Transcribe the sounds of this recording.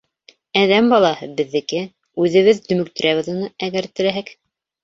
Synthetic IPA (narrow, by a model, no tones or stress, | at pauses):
æðæmbɑlˠɑhɤbɘ̆ðːɘ̆kɘ | ʉðɘ̆βɘðd̪ɵ̆mɵ̆k̚t̪ɘ̆ɾʔæβɘðunɤæɡæɾt̪ɘ̆læɦæk